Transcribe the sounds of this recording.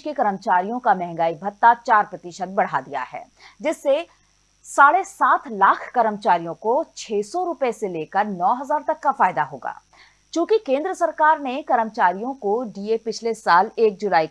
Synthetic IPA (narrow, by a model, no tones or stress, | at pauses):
kekɐɾəmt͡ʃaːɾijõkamɛ̃ɦɛ̃ŋ̆ɡaːibʱɐt̪ːat͡ʃaːɾpɾɐt̪ɪʃət̪̚bɐɽ̤ad̪ija̰ɦɛ̰ː | d͡ʒɪsːe | saːɽesaːt̪ʰlaːkʰkɐɾəmt͡ʃaːɾijõkot͡ʃʰeːsɔɾʊpeseleːkəɾnɔːɦɐzaːɾt̪ɐkːafaːjd̪aɦoːɡa̰ː | t͡ʃũːkikẽːnd̪ɾəsɐɾkaːɾnekɐɾəmt͡ʃaːɾijõkoɖiːepɪt͡ʃʰlesaːleːk̚d͡ʒʊlaːi